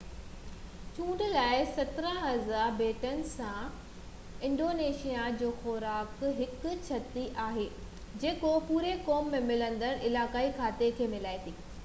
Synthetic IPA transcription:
t͡ɕũːɳɖlaːɪsɐt̪ɪɾə̃ɦɐzaːɾbeːʈənɪ̆sã | ɪ̃ɳɖoːneːʃijad͡ʑoːxoːɾaːkɦɪk̆t͡ɕʰɐt̪iʔaːɦeː | d͡ʑeːkopuːɾekoːmːẽmɪlə̃nd̪əɾɪlaːkaːikʰaːt̪ekʰeːmɪlaːit̪ʰiː

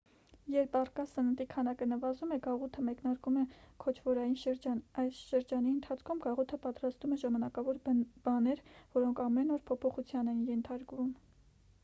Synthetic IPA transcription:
jɛɾpɑrkɑsənənt̪ikʰɑnɑkənəvɑzumɛɡɑʁut̪ʰəmɛknɑɾkumɛkʰɔt͡ʃʰvɔɾɑjinʃəɾd͡ʒɑnɑjsʃəɾd͡ʒɑniənt̪ʰɑt͡sʰkʰumɡɑʁut̪ʰəpɑt̪ɾɑst̪umɛʒɑmɑnɑkɑvɔɾb̥ɑnɛɾvɔɾɔŋkʰɑmɛnɔɾpʰɔpʰɔχut͡sʰjɑnɛinjɛnt̪ʰɑɾkvum

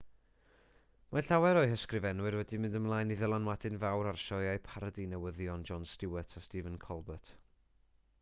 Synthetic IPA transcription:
maɬawɛɾɔɨhəskrɨvɛnwɨɾwɛdimɪ̃ndəmlˠajniðəlˠanwadɪnvawɾarʃɔɨajpʰaɾədinɛwəðjɔnd͡ʒɔnstɪwətʰastivənkʰɔlˠbətʰ

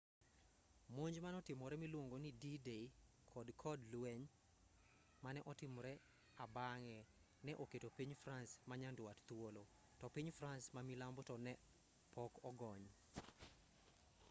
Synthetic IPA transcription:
moɲd͡ʒmanɔtɪmɔɾɛmilwoŋɡonididei | kʰɔdkʰɔdlwɛɲ | manɛʔɔtɪmɔɾɛ | abaŋɛ | nɛʔoketopiɲfransmaɲandwatt̪wolo | tɔpiɲfransmamilambɔtɔnɛ | pʰɔkɔɡɔɲ

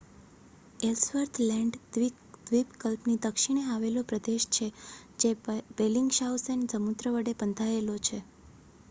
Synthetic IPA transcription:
elsʋəɾt̪ʰlɛ̃ɳɖ | d̪ʋipkəlpnid̪əkʃiɽ̃eaʋelopɾəd̪eʃt͡ʃʰed͡ʒebeliŋɡʃausend͡ʒəmut̪ɾəʋəɽepənt̪ʰaelot͡ʃʰe

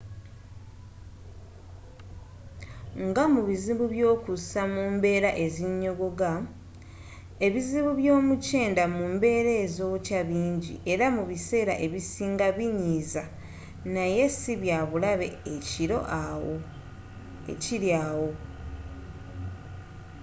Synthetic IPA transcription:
ŋɡamuβiziβuβjo̞ːkusamumbe̞ːɾaʔe̞ziɲːo̞ɡo̞ɡa | e̞βiziβuβjo̞ːmuce̞ːndamumbe̞ːɾeːzoːβcaβiːɲɟḭʔe̞ɾamuβise̞ːɾa̰ʔe̞βisiːŋɡaβiɲiːza | naje̞siβjaːβulaβe̞̰eciɾo̞̰ʔawo | ḛciɾjaːwo̞

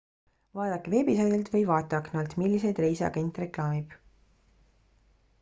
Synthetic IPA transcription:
vɑːd̪̥ɑkːeve̞ːbisɑjd̪elt̪vɤjvɑːt̪ːˑɑknɑlt̪milʲːise̞jd̪re̞jseɑ̰ɡ̥e̞nt̪ːre̞klɑːmib̥

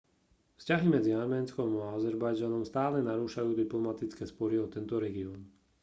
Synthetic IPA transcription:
fscaɦimɛd͡ziaɾmɛːnskɔmaazɛɾbajd͡ʒanɔmst̪aːlɛnaɾuːʃajuːd̪iplɔmat̪it͡skɛːspɔɾiɔt̪ɛnt̪ɔɾɛɡiɔːn

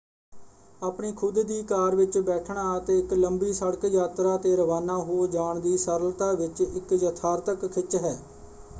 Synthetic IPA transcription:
aːpɳiːkʰʊd̪d̪iːkaːɾʋɪt͡ʃbɛːʈʰɳaːt̪eːɪkləmbiːsəɽkjaːt̪ɾaːt̪eːɾəʋaːnaːɦoːd͡ʒaːɳd̪iːsəɾəlt̪aːʋɪt͡ʃɪkjət̪ʰaːɾt̪əkkʰɪt͡ʃɦɛː

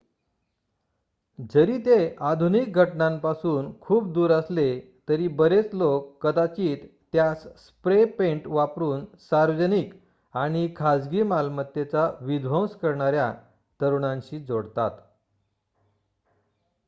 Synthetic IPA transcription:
d͡zəɾiːt̪ead̪ʱunik̚ɡʱəʈɳãmpasuːnkʰuːpd̪uːɾəslet̪əɾiːbəɾet͡slokːəd̪at͡ɕiːt̪ː | jasspɾepẽɳʈʋapɾuːnsaɾʋəd͡ʑənik | aɽ̃ikʰad͡zɡimalmət̪ːjet͡saʋid̪ʋə̃wskəɾɳaɾja | t̪əɾuɳãɲɕiːd͡zoɽt̪a̰t̪

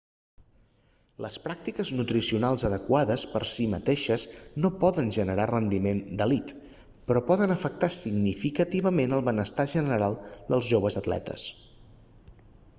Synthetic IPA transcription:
lə̰spɾak̚t̪ikəznut̪ɾisiunalˠzəðəkwaðəspəɾsimət̪eʃəznopɔðənʒənəɾarənd̪imend̪əlit̪ | pɾɔpɔðənəfək̚t̪asiɡnifikət̪iβəmenəlˠβənəst̪aʒənəəɾalˠd̪əlˠzʒoβəzət̪lɛ̰t̪ə̰s

